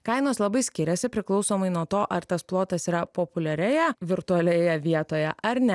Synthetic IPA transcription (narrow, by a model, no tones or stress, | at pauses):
kɐɪnoːslˠɐbɐɪsʲkʲɪɾʲɛsʲɪpʲɾʲɪklˠɒʊsoːmɐɪnuɔt̪oːʔɐɾt̪ɐsplˠoːt̪ɐsiːɾɐpoːpʊlʲɛɾʲɛjɛʋʲɪɾt̪ʊɐlʲɛjɛʋʲiɛt̪oːjɛʔɐɾnʲɛ